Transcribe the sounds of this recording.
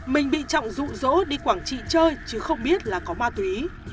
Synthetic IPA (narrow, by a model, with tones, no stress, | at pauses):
mï˨˩ŋ̟ɓḭ˧˨t͡ɕɔ̰˧˨wŋ͡mzṵ˧˨zo̰˧˥ɗi˧kwaː˧˩ŋt͡ɕḭ˧˨t͡ɕəː˧jt͡ɕɨ˨˦xə˧wŋ͡mɓi˦˥ət̚laː˨˩kɔ˨˦maː˧t̪wi˨˦